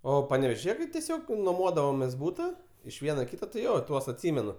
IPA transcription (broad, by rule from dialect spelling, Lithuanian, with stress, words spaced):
ˈoː pɐnʲɛʋʲeːʒʲɪˈjɛ tɐɪ tʲɛˈsʲoːk nuɔˈmoːdɐʋoːmʲeːs ˈbuːtɐ ɪʃ ˈʋʲiɛnoː ɪ ˈkʲiːtɐ tɐɪ ˈjoː ˈtuɔs ɐtʲˈsʲɪmʲɛnʊ